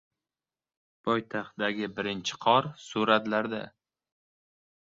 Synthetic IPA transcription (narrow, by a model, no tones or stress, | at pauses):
pʰɒjt̪ʰaχt̪d̪aɡʲɪbɪɾɪnt͡ʃʰɪ̥qʰɒɾsuɾat̪laɾd̪a̰